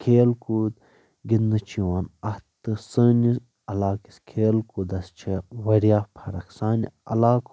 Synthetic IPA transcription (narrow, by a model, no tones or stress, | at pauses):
kʰeːlkud̪ | ɡid̪nɨt͡ʃʰiwaːnɐht̪ːɨsəːnis | ɐlaːki̥skʰeːlkud̪ɐst͡ʃʰiwɐɾijaːpʰɐɾɐksaːnḭɐ̰laːk